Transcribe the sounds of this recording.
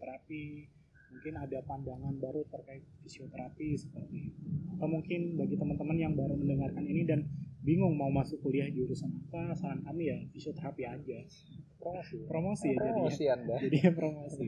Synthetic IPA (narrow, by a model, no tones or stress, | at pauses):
t̪əɾapi | muŋkɪnadapandaŋanbaɾut̪ərkaɪt̪̚fisiot̪əɾapisə̥paɡaat̪awmuŋkɪnbaɡit̪əmənt̪əmənjaŋbaɾuməndəŋarkaninidanbiŋʊŋmaumasʊkuliahdiuɾusanapasaankamijafisiot̪əɾapiad͡ʒa | pɾomosipɾomosijaɾd͡ʒadosiandad͡ʒadipɾomosi